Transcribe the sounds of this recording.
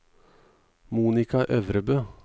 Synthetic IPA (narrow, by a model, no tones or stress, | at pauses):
muːnɪkɑʔœʋɾəbøː